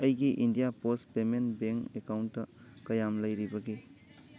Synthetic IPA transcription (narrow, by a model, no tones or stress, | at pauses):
ɐjɡiʔindijapospemenbeŋkekawntːɐ | kɐjamlɐjɾibɐɡi